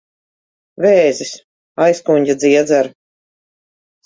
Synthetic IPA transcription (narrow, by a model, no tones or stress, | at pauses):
vɛːzis | ajskuɲʲɟʲad̪ziɛd̪zæɾ